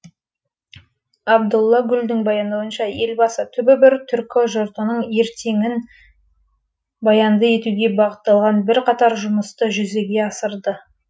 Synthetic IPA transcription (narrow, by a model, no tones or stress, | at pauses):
ɑbd̪ʊlˠːɑɡʲʏld̪ɪŋbɑjɑnd̪ɑwənʃɑje̞lbɑsət̪ʰʏbɪbɪɾt̪ʰʏɾkʲoʒoɾt̪ənəɴe̞ɾt̪ʰe̞ŋɪn | bɑjɑnd̪əe̞t̪uɡʲe̞bɑʁət̪ːɑlˠʁɑnbɪɾqʰɑt̪ɑɾʒʊməst̪əʒʏze̞ɡʲe̞ɑsəɾd̪ə